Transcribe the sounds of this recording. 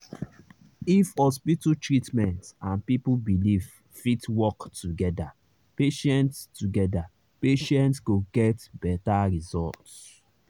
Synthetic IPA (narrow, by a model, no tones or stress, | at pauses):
ifhɔspitutɹitmɛ̃ntãnpipubiliv | fitwɔktuɡɛda | peʃɛ̃ntstuɡɛda | peʃɛ̃ntsɡoɡɛtbɛtaɹizɔlts